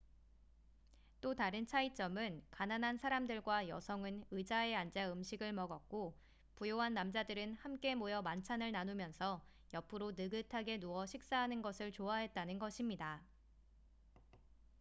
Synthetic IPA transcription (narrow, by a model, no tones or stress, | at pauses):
t͈otaɾɯnt͡ɕʰait͡ɕ͈ʌmɯnkananɦansʰaɾamdɯɭɡwajʌ̰sʰʌŋɯnɯd͡ʑae̞and͡ʑaɯmɕʰiɡɯɭmʌɡʌk̚k͈o | pujoɦanːamd͡ʑadɯɾɯnhamk͈e̞mojʌmant͡ɕʰanɯɭnanumjʌnsʰʌ | jʌpʰɯɾonɯɡɯtʰaɡe̞nuʌɕʰik̚s͈aɦanɯnɡʌsʰɯɭt͡ɕoaɦe̞t̚t͈anɯnɡʌɕʰimɲida